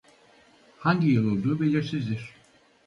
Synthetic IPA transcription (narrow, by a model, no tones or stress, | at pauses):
haɲɟijɯlˠolˠd̪uːbelʲiɾsizd̪iɾ̥